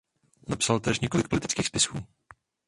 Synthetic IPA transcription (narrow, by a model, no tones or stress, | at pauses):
napsalt̪ɛʃɲɛko̞lɪkpolɪt̪ɪ̥t͡skiːxspɪsxuː